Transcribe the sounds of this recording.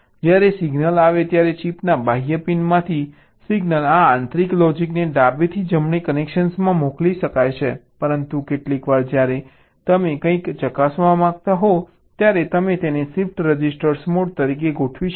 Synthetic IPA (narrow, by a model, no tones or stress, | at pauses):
d͡ʒjaɾesiɡnəlaʋet̪jaɾet͡ʃipnabajəpinmãt̪ʰi | siɡnəlaãnt̪ɾiklɔd͡ʒikneɖabet̪ʰid͡ʒəmɳikənekʃənsmãmokliʃəkajt͡ʃʰepəɾənt̪ukeʈlikʋaɾd͡ʒjaɾe | t̪əmekə̃ĩkt͡ʃəkasʋamãɡt̪aɦo | t̪jaɾet̪əmet̪enesifʈɾəd͡ʒisʈəɾsmoɖ̚t̪əɾik̬eɡoʈʰʋiʃ